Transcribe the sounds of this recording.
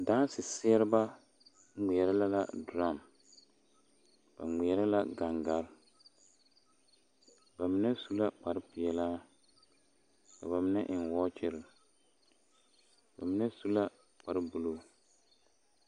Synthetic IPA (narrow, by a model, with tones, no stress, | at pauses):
daː˦n˦sɪ˨sɪ˦ɛ˦ɾɪ˦ba˦ | ŋi˨ɛ˨ɾa˦la˦la̰˦dɾa˦˨m | ba̰˨ŋ͡mɛ˨ɛ˦ɾa˦la˦ɡa˨ŋɡa˨ɾ | ba˨mɪ˦nɛ˦su˦la˦k͡pa˨ɾɪ˦pɪ˨ɛ˨laː˦ | ka˨ba˨mɪ˦nɛ˦ʔɪ˨nwɔː˦t͡ʃɪ˦ɾɪ˨ | ba˨mɪ˦nɛ˦su˦la˦ | k͡pa˨ɾɪ˦bu˨lo˦